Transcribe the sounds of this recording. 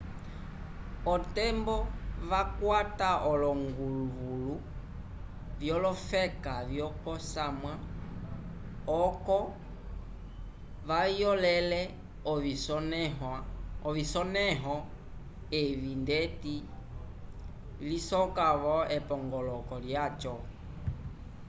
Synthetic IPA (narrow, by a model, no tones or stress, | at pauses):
ɔtɛmbɔβakwataʔɔlɔŋɡuluβulu | vjɔlɔfɛkavjɔpɔsamwa | ɔkɔ | ʋajɔlɛlɛ | ɔβisɔnɦaɔβisɔnɛɦɔ | ɛβindɛti | lisɔkaβɔɛpɔŋɡɔlɔkɔljat͡ʃɔ